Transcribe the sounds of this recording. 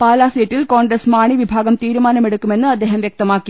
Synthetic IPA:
paːlaːsijɐtːilkoːɳɖɾɐsmaːɳiʋibʱaːɡɐmt̪iːɾumaːnɐmeɽukːume̞nːɨɐd̪ːeːɦɐmʋjek̚t̪ɐmaːkːi

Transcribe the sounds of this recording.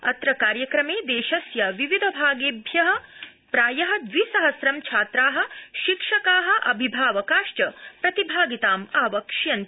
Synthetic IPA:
ɐt̪ɾɐkaːɾjɐkɾɐmeːd̪eːʃɐsjaʋiʋid̪ʱɐbʱaːɡeːbʱjɐɦɐ̆ | pɾaːjɐɦɐ̆d̪ʋisɐɦɐsɾɐmt͡ʃʰaːt̪ɾaːɦɐ̆ʃikʂɐkaːɦɐ̆ʔɐbʱibʱaːʋɐkaːʃʈɐpɾɐt̪ibʱaːɡit̪aːmaːʋɐkʂjɐn

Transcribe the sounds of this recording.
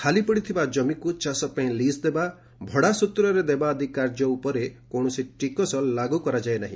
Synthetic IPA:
kʰalipɔɽit̪ʰibad͡ʒɔmikut͡ʃasɔpaĩlisd̪eba | bʱɔɽasut̪ɾɔɾed̪ebaːd̪ʱikaɾd͡ʒɔupɔɾekoɽ̃ɔsiʈikɔsɔlːaɡukɔɾad͡ʒaenaɦĩ

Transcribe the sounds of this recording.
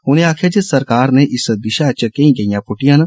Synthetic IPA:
ɦʊːneaːkʰed͡ʒisɐɾkaːɾneʔɪsəd̪ɪʃaːt͡ʃəkeĩɡɐijãːpʊʈijaːn

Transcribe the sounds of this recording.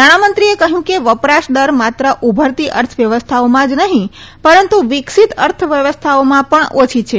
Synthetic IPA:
naɽ̃amənt̪ɾiekəɦjũkeʋəpɾaʃɖəɾmat̪ɾəʔubʱəɾt̪iʔəɾt̪ʰəʋjəʋəst̪ʰaomãd͡ʒnəɦĩpəɾənt̪uʋiksit̪əɾt̪ʰʋjəʋəst̪ʰaomãpəɳʔot͡ʃʰit͡ʃʰe

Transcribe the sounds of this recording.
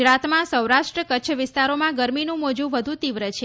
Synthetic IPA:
ɾat̪mãsəwɾaʃʈɾəkətːt͡ʃʰəʋɪst̪aɾomãɡəɾminũmod͡ʒũʋəd̪ʱut̪iʋɾət͡ʃʰe

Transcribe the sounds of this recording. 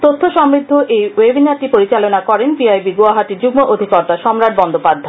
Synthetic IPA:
t̪ot̪ʰːoʃɔmɾid̪ʱːoʔejwebinaɾʈipoɾit͡ɕalonakɔɾenbiajbiɡoaɦaʈiɾd͡ʑuɡmoʔod̪ʱikɔɾt̪aʃɔmɾad̪̚bɔnd̪opad̪ʱːa

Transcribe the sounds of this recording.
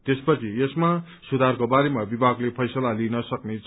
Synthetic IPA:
t̪espʌt͡sʰiesma | sud̪ʱarkobaɾemabibʱaɡlepʰʌjsʌlalinʌsʌknet͡sʰ

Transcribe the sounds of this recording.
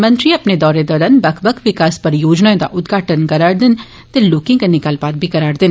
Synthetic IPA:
mɐ̃nt̪ɾiɐpned̪ɔːɾed̪ɔːɾɐnbɐkʰbɐkʰʋɪkaːspɐɾjoːd͡ʒnaːẽd̪a̰ʔʊd̪ɡʱaːʈənkɐɾaːɽd̪ɪn | t̪eloːkĩŋkɐnɪkaːlpaːt̪̚bʱikɐɾaːɽd̪ɪn

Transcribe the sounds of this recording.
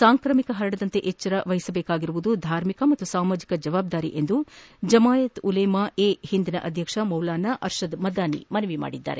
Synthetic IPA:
saːŋkɾɐmikɐɦɐɾɐɽɐd̪ɐnt̪e̞ʔet͡ʃːɐɾɐʋɐjisɐbeːkaːɡiɾuʋud̪ud̪ʱaːɾmikɐmɐt̪ːusaːmaːd͡ʒikɐd͡ʒɐʋaːb̚d̪aːɾḭʔe̞nd̪ud͡ʒɐmaːjɐt̪ulɐjmɐeːhind̪inɐʔɐd̪ʱjɐkʂɐmɐwlaːnɐʔɐɾʃɐd̪mɐd̪aːnḭmɐnɐʋima̰ːɽid̪ːa̰ːɾe

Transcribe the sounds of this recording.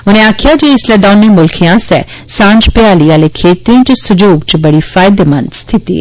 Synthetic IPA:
ʊnẽaːkʰɪjad͡ʒeːɪslɛd̪aːnːẽmʊlkʰijãsɛ̰ː | sãːɲd͡ʒpɪaːlialekʰeːt̪iẽt͡ʃsʊd͡ʒuːɡ̚t͡ʃbɐɽifaːjd̪eːmɐ̰̃nst̪ʰɪt̪ḭ

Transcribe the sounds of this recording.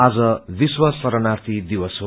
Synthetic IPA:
ad͡zʌbiswasʌɾʌnart̪ʰid̪iwʌsɦo

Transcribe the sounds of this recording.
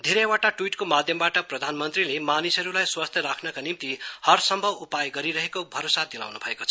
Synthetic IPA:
d̪ʱiɾewaʈaʈwiʈkomad̪ʱjʌmbaʈʌprʌd̪ʱanmʌnt̪rilemanisʌɾulajswast̪ʰjɾakʰnʌkanimt̪ihʌrsʌmbʱʌbupajɡʌɾiɾʌɦekobʱʌɾosad̪ila̰wnubʱʌekot͡sʰʌ

